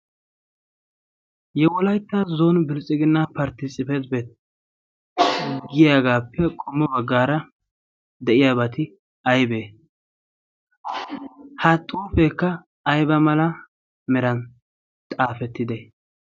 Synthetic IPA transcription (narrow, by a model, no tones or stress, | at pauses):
jɛwɔlɐjt̪ːɐzoːnbɪlt͡sʼːɪɡɪnːɐpɐɾt̪ɪsʼɪfɛzbet̪ | ɡɪjaːɡaːpːɛkʼɔmːɔbɐɡːaːɾɐ | d̪ɛʔɪjaːbɐt̪ɪ | ɐjbeː | hɐt̪ʼːuːfekːɐː | jbɐmɐlɐ | mɛɾɐn | t̪ʼaːfɛt̪ːɪd̪e